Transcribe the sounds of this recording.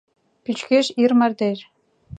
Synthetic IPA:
pyt͡ɕkeʃirmɑrd̪er

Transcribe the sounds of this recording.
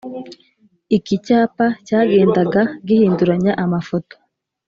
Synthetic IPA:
ikicaːpacaːɡe̞ːndaɡaɡihiːnduɾaɲaʔamafo̞to̥

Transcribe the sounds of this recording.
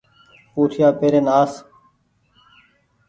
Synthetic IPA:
puːt̪ʰjaːpeːɾeːnaːs

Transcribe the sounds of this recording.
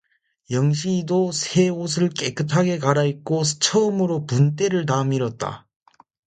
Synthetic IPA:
jʌŋɕʰidosʰe̞os̬ʰɯɭk͈e̞k͈ɯtʰaɡe̞kaɾaik͈ot͡ɕʰʌɯmɯɾopunt͈e̞ɾɯɭt̬amiɾʌt̚t͈a̰

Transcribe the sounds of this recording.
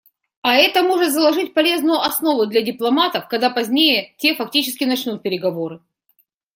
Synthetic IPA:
ɐɛt̪əmo̞ʐɨt̪zəlˠɐʐɨt̚ʲpɐlʲe̞znʊjʊʔɐsno̞vʊd̪lʲɐdʲɪplˠɐmat̪əfkɐɡd̪apɐzʲnʲejətʲe̞fɐk̚tʲit͡ɕɪskʲɪnɐt͡ɕnut̪̚pʲɪɾʲɪɡɐvo̞ɾɨ

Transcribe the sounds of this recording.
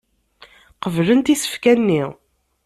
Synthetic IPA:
qəvlənt̪isə̥fkænːi

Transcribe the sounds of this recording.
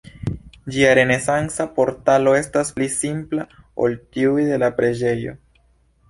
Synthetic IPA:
d͡ʒiaɾe̞ne̞sansapo̞ɾtalo̞e̞stasplisimpla | o̞̰ltiujde̞lapɾe̞d͡ʒe̞jo̞̰

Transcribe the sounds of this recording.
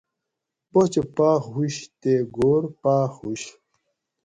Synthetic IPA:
bot͡ɕepaːxɦuɕt̪eɡoɾpaːxhuɕ

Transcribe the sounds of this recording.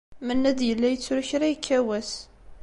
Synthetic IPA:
mənːæd̪jəlːæjət͡sːɾuçɾæjəkʰːæwæs

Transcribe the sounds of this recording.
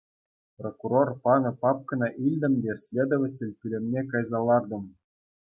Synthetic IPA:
prokuɾorpɑnɤ̆pɑp̚kɤ̆nɑʔilʲd̪ʲɘ̆mʲbʲesʲlʲed̪ŏʋatʲelʲpʲylʲĕmʲnʲekɑjzɑlˠɑrd̪ɤ̆m

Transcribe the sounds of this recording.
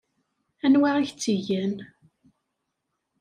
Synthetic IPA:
ænwaʁæçt͡sːiʝæn

